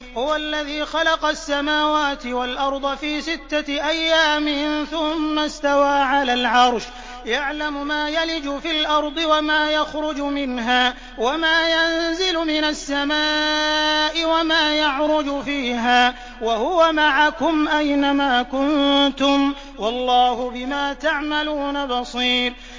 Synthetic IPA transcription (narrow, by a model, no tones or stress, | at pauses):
hʊwalːaðiːxɑlɑqɑsːamaːwaːt̪ɪwalʔɑɾˤd̪ˤɑfiːsɪt̪ːaʔajːaːmɪnθʊmːast̪awaːʕalaːlʕɑɾˤʃ | jaʕlamʊmaːjalɪd͡ʒʊfɪlʔɑɾˤd̪ˤɨwamaːjaxɾʊd͡ʒʊmɪnɦaː | wamaːjanzɪlʊmɪnasːamaː | ʔɪwamaːjaʕɾʊd͡ʒʊfiːɦaː | wahʊwamaʕakʊmʔajnamaːkʊnt̪ʊm | wɑlˤːɑːhʊbɪmaːt̪aʕmaluːnabɑsˤiːɾ